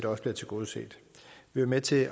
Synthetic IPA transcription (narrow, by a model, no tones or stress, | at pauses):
d̥ɑɒ̽sb̥liɐt͡sʰe̝ɡ̥o̝ːð̞̩ˠse̝̰ːd̥ʋiʋæɐmet͡sʰe̝